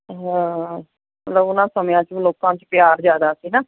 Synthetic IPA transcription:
ɦɛ̃ː | mə̰t̪ləbʊnãːsəmjãːt͡ʃloːkãːt͡ʃpɪjaːɾd͡ʒaːd̪aːsiːnaː

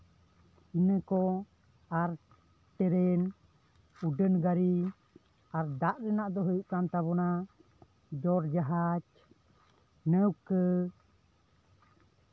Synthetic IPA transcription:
inəkɔ | aɾ | ʈɛɾɛn | uɖənɡaɾi | aɾd̪aʔɾɛnaʔd̪ɔɦəjuʔk̪ant̪aβɔna | d͡ʒɔɾd͡ʒaɦat͡ʃ | nəwkə

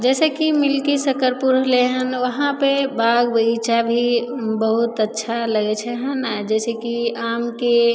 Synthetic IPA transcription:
d͡ʒɛːsekimɪlkisəkəɾpuɾɦleɦənʋəɦãpebaːɡbəit͡ʃabʱibəɦut̪ətːʃʰaləɡet͡ʃʰɛɦənad͡ʒɛːsekiaːmke

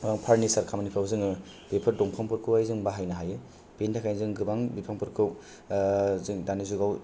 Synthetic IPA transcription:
ɡaŋpʰaɾnisaɾkʰamanipʰawzɯŋɯ | b̥epʰɯɾdɔŋkʰampʰɯɾkʰɯwajzɯŋbaɦajnaɦajɯ | b̥entʰakʰajzɯŋɡɯbaŋbipʰaŋpʰɯɾkʰɯw | zɯŋdanizuɡaw

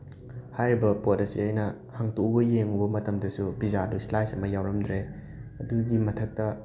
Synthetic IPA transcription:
hajɾibɐpotɐsḭɐjnɐ | haŋtubɐjeŋubɐmɐtɐmdɐsubizaduslajsɐmɐjawɾɐmdɾe | ɐduɡimɐtʰɐk̚tɐ

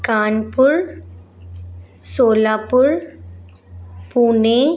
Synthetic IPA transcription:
kaːnpʊɭ | soːlaːpʊɻ | puːneː

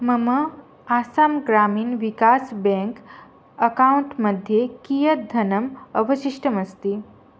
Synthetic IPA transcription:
mɐmɐ | aːsaːmɡɾaːmiːnʋikaːsbẽŋk | ɐkauɳʈmɐd̪ʱjekijɐt̚d̪ʱɐnɐmɐʋɐʃiʂʈəmɐst̪i

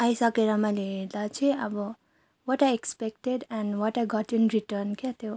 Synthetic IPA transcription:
ajsʌkeɾʌmʌjleɦeɾd̪at͡sʰĩʌbʌ | wʌʈajekspek̚ʈedɛ̃nwʌʈajɡɔʈĩnɾiʈʌnkat̪jo

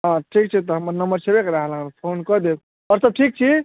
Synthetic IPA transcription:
ɦãʈʰik̚t͡ʃʰit̪̬ɔɦəmnəmbəɾsebekɾaɦlapʰonkʌɾd̪e | ʌɾsʌb̚ʈʰik̚t͡ʃʰi

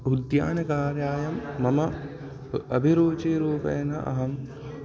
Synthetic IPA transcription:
ud̪ja̰ːnɐkaːɾjaːjɐmːɐmɐ | ɐbʱiɾuːt͡ʃiɾuːpɐ̰jɐnɐ̰ʔɐ̰ɦɐm

